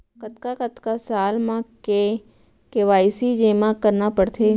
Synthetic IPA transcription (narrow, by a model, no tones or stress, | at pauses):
kət̪kakət̪kasaːlmãke | keʋaːɪsid͡ʒeːmãkəɾnapəɽt̪ʰeː